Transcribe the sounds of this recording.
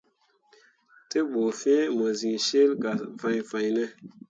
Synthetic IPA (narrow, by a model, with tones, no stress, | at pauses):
te˦ɓo˨fe˦mo˨zi˨ŋʃe˦lka˨fa˧jfa˧jne˦